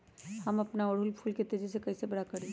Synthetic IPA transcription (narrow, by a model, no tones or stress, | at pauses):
hɐmɐpnaoɽ̤uːlpʰuːlket̪eːd͡ʒisekɐːsebɐɾakɐɾ